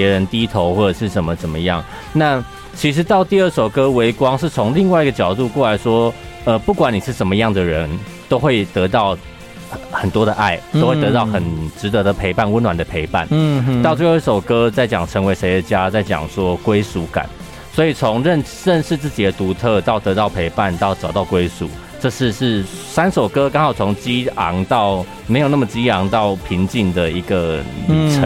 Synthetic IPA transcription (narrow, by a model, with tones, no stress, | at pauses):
ɛ˧˥ɻə˧˦nt̪i˥t̪ʰo˧˥ʊxwɔ˥˩ʈ͡ʂə˨˩ʂɻ̩˥˩ʂə˨˩nmə˦t͡sə˨˩nmə˦jɑ˥˩ŋ | na˥˩ | t͡ɕʰi˧˥ʂ̬ɻ̩˧˥t̪ɑ˥˧ʊt̪i˥˧ə˥˩ʂo˨˩ʊkɤ˥we˧˥ɪkwɑ˥ŋʂɻ̩˥˩t͡sʰo˧˥ŋli˥˧ŋwa˥˩ɪi˧˥ɡə˧t͡ɕjɑ˨˩ʊt̪u˥˧kwɔ˥˩la˧˥ɪʂwɔ˥ | ə˧pu˥˩kwa˨˥ni˨˩ʂɻ̩˥˩ʂə˨˥nmə˧jɑ˥˩ŋd̪ə˩ɻə˧˦n | t̪o˥ʊxwe˥˩ɪt̪ɤ˧˥t̪ɑ˥˩ʊ | xə˨˩nt̪wɔ˥ɾə˨ʔa˥˩ɪt̪o˥ʊxwe˥˩ɪt̪ɤ˧˥t̪ɑ˥˩ʊxə˨˩nʈ͡ʂɻ̩˧˥t̪ɤ˧˥d̪ə˨pʰe˧˥ɪpa˥˩˨nwə˥nwa˨˩nd̪ə˩pʰe˧˥ɪpa̰˥˩nt̪ɑ˥˧ʊt̪i˥˧ə˥˩ʂo˨˩ʊkɤ˥t͡sa˥˩ɪt͡ɕjɑ˨˩ŋʈ͡ʂʰə˧˥ŋwe˧˥ɪʂe˧˥ɪd̪ə˨t͡ɕja˦t͡sa˥˩ɪt͡ɕjɑ̰˨˩ŋʂwɔ˥kwe˥ɪsu˧˥ka̰˨˩˦n | swɔ˧˥i˨˩t͡sʰo˧˦ŋɻə˥˧n | ɻə˥˧nʂɻ̩˥˧t͡sɹ̩˥˩t͡ɕi˨d̪ə˩˦t̪u˨˧˥t̪ʰɤ˥˧t̪ɑ˥˩ʊt̪ɤ˧˥t̪ɑ˥˩ʊpʰe˧˥ɪpa˥˨nt̪ɑ˥˩ʊʈ͡ʂɑ˨˩ʊt̪ɑ˥˩ʊkwe˥ɪsṵ˨˩˦ | ʈ͡ʂɤ˥˧ʂɻ̩˥˧ʂɻ̩˥˩sa˥nʂo˨˩ʊkɤ˥kaɑ˥ŋxɑ˨˩ʊt͡sʰo˧˥ŋt͡ɕi˥ɑ˧˦ŋt̪ɑ˥˩ʊ | me˧˥jo˨˩na˥˩mə˩t͡ɕi˥ɑ˧˥ŋt̪ɑ˥˩ʊpʰi˧˥ŋt͡ɕi˥˩ŋd̪ə˩i˧˥ɡə˨˩ʈ͡ʂʰə˧˦